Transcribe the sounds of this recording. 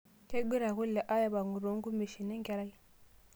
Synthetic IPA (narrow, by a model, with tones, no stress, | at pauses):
te˦ɡ͡bi˦ɾa˨ɣu˦lɛ˨ʔa˦ja˦βa˨ŋɡu˨ɾo˨˦ŋɡu˦me˨ʃi˨nɛ˦ŋɡa˦ɾa˦i˦